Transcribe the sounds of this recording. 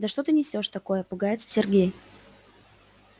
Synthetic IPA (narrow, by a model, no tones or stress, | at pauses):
d̪ɐʂt̪o̞t̪ɨnʲɪsʲo̞ʂt̪ɐko̞jəpʊɡajɪt̪sə̥sʲɪrɡʲej